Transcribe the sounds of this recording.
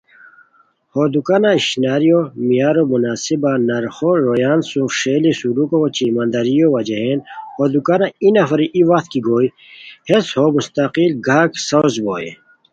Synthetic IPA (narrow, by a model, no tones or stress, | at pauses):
hoːd̪ukanaiʃnaːɾijomijaːɾomunaːsibanɐɾxoɾoːjaːnsũʂeːlisulukot͡ɕiːmɐnd̪ɐɾijowɐd͡ʒeɦeːnhoːd̪ukanainɐfɐɾiʔiwɐqt̪kiɡoːi | heshomust̪ɐqilɡʱaːksɐwzboːjḛ